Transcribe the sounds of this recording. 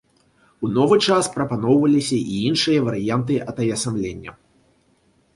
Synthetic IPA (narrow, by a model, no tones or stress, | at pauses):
unɔvɨt͡ʂaspɾɐpanɔwvɐlʲisʲɐʔiinʂɨjɐvɐɾɨjant̪ɨʔɐt̪ɐjʲɐsamlʲenʲːɐ̰